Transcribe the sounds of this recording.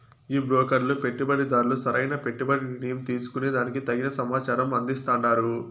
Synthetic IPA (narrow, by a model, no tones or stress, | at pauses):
iːbɾɔːkɐɾlupe̞ʈːibɐɽid̪aːɾulusɐɾɐjnɐpe̞ʈːibɐɽiniɳijɐmt̪iːsu̥kunid̪aːnikit̪ɐɡinɐsɐmaːt͡ʃaːɾɐmɐnd̪ist̪aːnːaːɾu